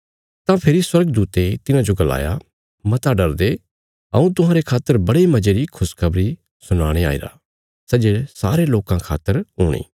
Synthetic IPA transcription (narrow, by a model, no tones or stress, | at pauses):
t̪ãpʰɪɾiswɐɾɡəd̪uːt̪et̪ɪnãd͡ʒoɡɐla̰ːja̰ | mɐt̪aɖɐɾd̪e | ɐ̰ũt̪̬ʊɦãːɾekʰaːt̪ːəɾbɐɽimɐd͡ʒeɾikʰʊskʰɐbɾi | sʊñaːɽ̃ea̰ːḭɾa̰ | sɛd͡ʒesaːɾeloːkãkʰa̰ːt̪ːəɾɦuːɽ̃ḭː